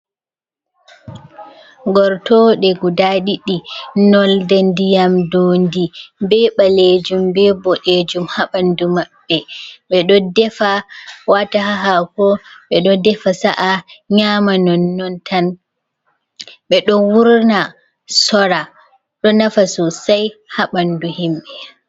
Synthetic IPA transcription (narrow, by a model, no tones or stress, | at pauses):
ɡɔɾtɔɗɛɡudaɗiɗinɔldɛndijamdoːndibɛɓaled͡ʒumbɛbɔɗed͡ʒumhaɓandumaɓːɛɓɛɗɔdɛfawataɦaɦakɔɓɛɗɔdɛfasaʔaɲamanɔnːɔntʰan | ɓɛɗɔwuɾna | sɔɾa | ɗɔnafasɔsajhaɓanduhimɓɛ